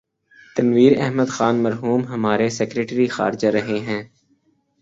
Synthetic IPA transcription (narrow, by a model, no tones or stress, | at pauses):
t̪ɐnʋiːɾɛ̰ɦməd̪xaːnmɐɾɦuːmɦɐmaːɾesɛkɾeːʈɾixa̰ːɾd͡ʒaɾɐɦeɦɛ̃ː